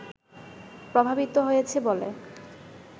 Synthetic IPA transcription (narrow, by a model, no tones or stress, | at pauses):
pɾobʱabit̪oɦojet͡ɕʰebolḛ